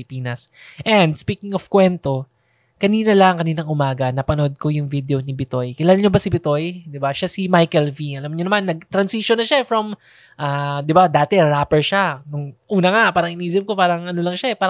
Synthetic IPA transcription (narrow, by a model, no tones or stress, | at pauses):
lpiːnɐsʔɛnd̪spiːkɪŋofkwɛnt̪o̞ | kɐniːnɐlɐŋkɐniːnɐŋʔʊmaːɡɐnɐpɐnood̪̚ko̞jʊŋvid̪eonibɪt̪o̞jkɪlaːlaɲobɐsɪbɪt̪o̞jd̪ɪbaʃasimajkɛlviʔɐlamɲoɐmanːɐɡ̚t̪ɾɐnsiʃonːɐʃaɛfɾɐm | ʔaːd̪ɪbad̪aːt̪ɛɹaːpɛɹʃanʊŋʔuːnɐŋapaːɾɐŋʔɪniːzɪmko̞paːɾɐŋɐno̞lɐŋʃaʔɛpaːɾ